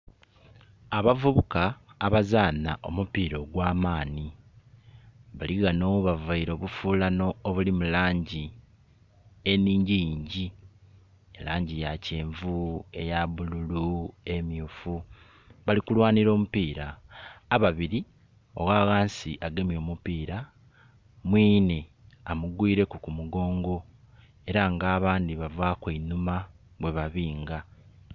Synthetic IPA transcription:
aβavuβukaːβazaːna̰ʔo̞̰mupiːɾo̞ːɡwaːmaːni | βaliɣanoβavaiɾo̞ːβufuːlano̞ːβulimulaːɲɟi | eniːɲɟijiːɲɟi | elaːɲɟijace̞ːɱvue̞jaβululue̞mjufu | βalikulwaːniɾo̞ːmupiːɾaː | βaβiɾi | o̞̰ɣaːɣaːnsiʔaɡe̞mjo̞ːmupiːɾa | mwiːne | amuɡwiːɾe̞kukumuɡo̞ːŋɡo̞ | e̞ɾaŋɡaːβaːndiβavaːkwiinuma | βwe̞βaβiːŋɡa

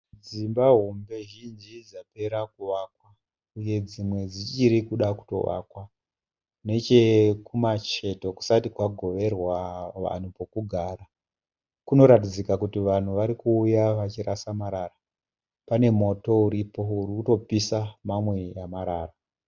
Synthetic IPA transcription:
d͡zimbaɦombe̞ʒind͡ʒid͡zape̞ɾakuʋaːkwa | uje̞d͡zimwe̞d͡zit͡ʃiɾikuɗaku̥to̞̰ʋa̰kwa | ne̞t͡ʃe̞kumat͡ʃe̞to̞ku̥satikwaɡʱo̞ʋe̞rwaʋa̰n̤upo̞kuɡʱaːra | kuno̞ɾatid͡zikakutiʋan̤uʋaɾikuːjaʋat͡ʃiɾʔasamaɾara | pane̞mo̞to̞uɾipo̞urikuto̞pisamamwe̞jamaɾaːra

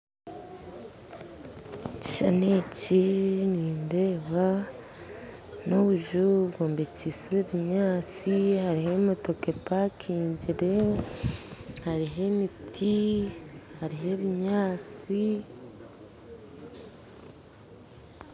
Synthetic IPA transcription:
ci̥ʃaneciniːnde̞ːβa | noβuʒuβɡoːmbecisiweβiɲaːt͡sihaɾihemoto̞kepakʰiːɲɟiɾe̞ | haɾiɦe̞mitʰi | haɾiɦe̞βiɲaːt͡si

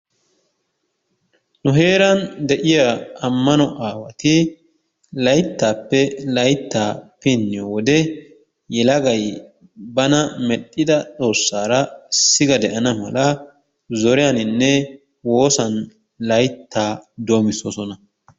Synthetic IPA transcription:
nʊɦe̞ːɾɐnd̪ɛʔɪjaɐmːɐnɔʔaːwɐt̪ɪ | lɐjt̪ːaːpːɛlɐjt̪ːaːpɪnːɪjɔwɔd̪ɛ | jɛlɐɡɐj | bɐnɐmɛɗʼːɪd̪ɐt͡sʼo̞ːsːaːɾɐsɪɡɐd̪ɛʔɐnɐmɐ̰lɐ | zɔɾɪjanɪnːɛ | wo̞ːsɐn | lɐjt̪ːaːd̪ʊɐmɪsɔsɔnɐ

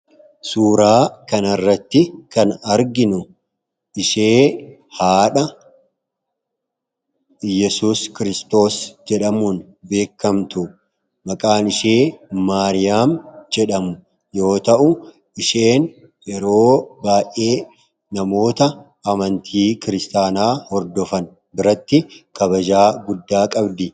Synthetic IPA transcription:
suːɾaːkɐnɐrːɐt̪ːɪkɐnɐɾɡɪnʊ | ʔɪʃeːhaːᶑɐ | jɛsuːskɪɾɪst̪o̞ːsd͡ʒɛᶑɐmuːn | be̞ːkːɐmt̪ʊ | mɐkʼaːnɪʃe̞ːmaːɾɪjaːmd͡ʒɛᶑɐmʊ | jo̞ːt̪ɐʔʊ | ʔɪʃe̞ːn | ʔɛɾo̞ːbaːjʔːe̞ː | nɐmo̞ːt̪ɐ | ɐmɐnt̪ʰiːkɪɾɪst̪aːnaːhɔɾd̪ɔfɐn | bɪɾɐt̪ːɪkɐbɐd͡ʒaːɡʊd̪ːaːkʼɐbd̪ɪ

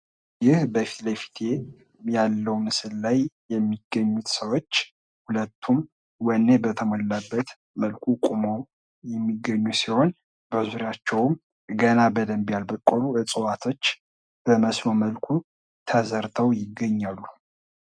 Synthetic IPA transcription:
jɪhbəfi̥t̪ləfi̥t̪ʰe̞ | jalːəwnɨsɨllajjɛmːiɡːəɲːut̪səwo̞t͡ʃː | hulət̪ʰːum | wənːebət̪ʰəmolːabːət̪ | məlkʰukʼumow | jɛmːiɡːəɲːusiho̞n | b̥əzuɾjat͡ʃːɛwm | ɡənabəd̪əmbijalbəkʼːoluʔɨt͡sʼəwat̪ʰo̞t͡ʃː | b̥əməsnoməlkʰu | t̪ʰəzəɾt̪ʰəwjɪɡːəɲːalːu

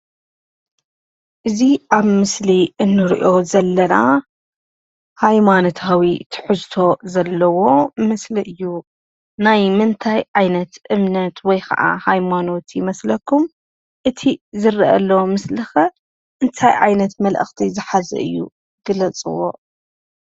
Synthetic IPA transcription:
ʔɨziʔaβmɨsliʔɨnːɨɾḭʔo̞zɐlːɐna | hajmanot̪ʰawit̪ʰɨ̥ħɨzt̪ʰo̞zɐlːɐwo̞mɨsliʔɨjːu | najmɨnt̪ʰajʕajnɐt̪ʔɨmnɐt̪wɔjkʰɐ̰ʔa̰hajmano̞t̪jɪmɐslɐkʰːum | ʔɨt̪ʰizɨɾiʔɐ̰lːowmɨslɨxɐ | ʔɨnt̪ʰajʕa̰jnɐt̪mɐlʔɨ̰xt̪ʰizɨħazɨ̰ʔɨ̰jːṵ | ɡ̥ɨlɐt͡sʼɨ̰wo̰ʔ

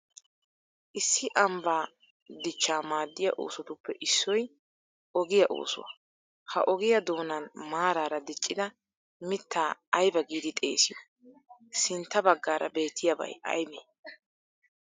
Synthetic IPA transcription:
ʔɪsːɪʔɐmbaː | d̪ɪt͡ʃːaːmaːd̪ːɪjɐ̰ʔo̞̰ːsɔt̪ʊpʰːɛʔɪsːɔj | ɔɡɪjɐʔo̰ːsʊ̰wɐ̰ | hɐ̰ʔɔɡɪjɐd̪o̞ːnɐnmaːɾaːɾɐd̪ɪt͡ʃʼːɪd̪ɐ | mɪt̪ʰːaːɐjbɐɡiːd̪ɪt̪ʼḛːsɪjo | sɪnt̪ːɐbɐɡːaːɾɐ̰be̞ːt̪ʰːɪjɐbɐ̰jɐ̰jbeː

